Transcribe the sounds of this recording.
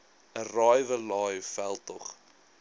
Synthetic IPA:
ərɑːjvəlɑːjfælˠtɔχ

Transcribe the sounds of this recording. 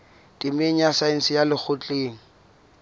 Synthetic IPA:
dʼimeɲ̩asaɪn̩sɪjalɪk͡xʰʊt͡ɬʼeːŋ̩

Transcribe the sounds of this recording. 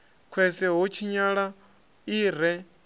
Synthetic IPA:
kʰwɛsɛɦɔt͡ʃʰiɲaɺa | iːɾɛ

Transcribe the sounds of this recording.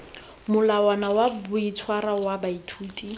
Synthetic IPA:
mʊlawanawabʊit͡sʰwaɾawabaitʰuːtʼi

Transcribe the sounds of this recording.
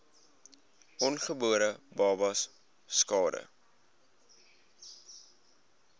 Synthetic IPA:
ʔɔnχəbuəɾəbɑːbɐs | skɑːdə̰

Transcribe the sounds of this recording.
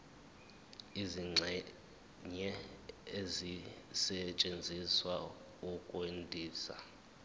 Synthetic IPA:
iziŋ͡ǀʱɛ | ɲɛezisɛt͡ʃʼend͡zʱiswa | ukʼwendʱiːsa̰

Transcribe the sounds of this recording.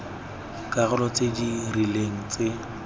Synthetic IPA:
kʼaɣʊlɔt͡sedirileŋ̩t͡se

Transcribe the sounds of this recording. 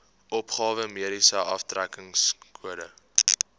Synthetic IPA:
ʔɔpχɑːvəmiəɾisəʔɐ̰ftrækəŋskʰuəɾə

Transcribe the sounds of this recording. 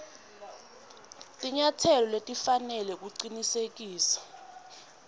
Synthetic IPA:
tʼiɲatʰɛlɔletʼifanɛlɛk̬ʼuǀinisek̬ʼiːsḁ

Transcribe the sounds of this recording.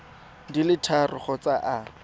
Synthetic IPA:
dilɪtʰarɪχɔt͡saʔa

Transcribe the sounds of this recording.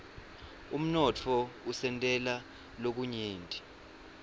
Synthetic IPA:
um̩nɔt͡fʰɔusɛntʼɛla | lok̬uɲeːntʼi̥

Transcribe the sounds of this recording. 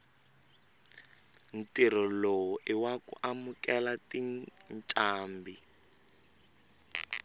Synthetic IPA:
n̩tir̤ɔlowuʔiwakṵʔamukɛlatinnt͡ʃʼaːmbi

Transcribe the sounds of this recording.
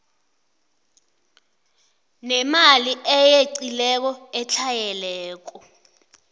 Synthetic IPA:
nɛmaliʔɛjeǀilɛk̬ɔɛt͡ɬʰajɛlɛːk̬ɔ

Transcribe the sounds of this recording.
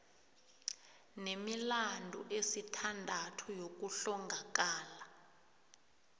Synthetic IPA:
nemilandʱṵʔesitʰandʱatʰujok̬uɬɔŋɡʱak̬ʼaːla

